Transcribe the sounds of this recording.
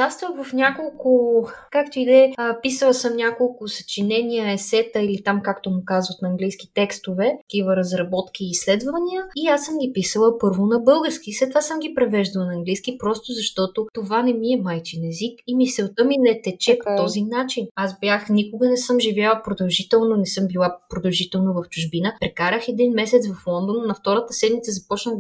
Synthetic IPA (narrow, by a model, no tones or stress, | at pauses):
ast̪vəvɐfnʲakolˠkʊkakt̪oid̪ɛpisəlˠəsəmnʲakolˠkʊsɐ̥t͡ʃinɛnijəɛsɛt̪əilit̪amkakt̪omʊkazvət̪nɐːŋɡlijsk̟it̪ɛkst̪ovɛɐ̥k̟ivəɾɐzɾɐbɔt̪kʲiːslɛd̪vɐniəiasəmɡʲipisəlˠəpɤɾvʊnɐbɤlˠɡəɾsk̟islɛt̪vasəmɡʲipɾɛvɛʒd̪ɐlˠnɐːŋɡlijskipɾɔst̪ʊzɐʃt̪ɔt̪ot̪ovanɛmiɛmajt͡ʃinɛzikimisɛlt̪əminɛt̪ɛt͡ʃɛpot̪ɔzinat͡ʃinazbʲjaxnikʊɡənɛsɤmʒivʲjalˠəpɾod̪ɐlˠʒit̪ɛlˠnonɛsɤmbilˠapɾod̪ɐlˠʒit̪ɛlˠnovɐft͡ʃuʒbinəpɾɛkaɾəxɛd̪inmɛsɛt̪svɐflˠɔnd̪onːɐft̪ɔɾət̪əsɛd̪mit̪səzɐpɔt͡ʃnəx